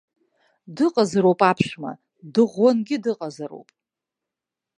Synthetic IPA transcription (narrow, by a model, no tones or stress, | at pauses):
dɨqʼazɾowpʼapʰʂma̰ | dɨʁːanɡʲɪdɨqʼazaɾo̰wpʼ